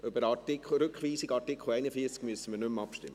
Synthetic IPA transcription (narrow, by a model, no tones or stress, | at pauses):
ʔʏbəɾɑɾtɪkʰχl̩ɾʏkχʋiːsiɡɑɾtɪkʰχl̩ˠæɪnəfiət͡skmyəsəmənʏmɑpʃtɪmːə